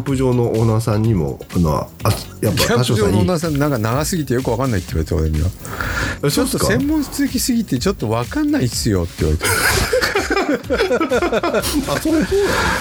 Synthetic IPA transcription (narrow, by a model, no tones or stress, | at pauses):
mpɯ̟ʑo̞ːnoʔonasãɲ̟ːimo̰ano̰ḁ | japɡʲaãaɕoʑoːnoonas̬ãnnãŋkanaɡasɨɡʲit̪e̞jo̞k̬ɯ̟βakãnːait̪ːeiβaɾet̪eoɾeɲina̰ | st͡ɕot̪ːosẽ̞mːõ̞ɰ̃sɨ̥t͡sɨzɨkʲisɨɡʲit̪e̞t͡ɕo̞t̪ːo̞βakanːaisɨjo̞̰t̪ːejiβaɾet̪e | asoso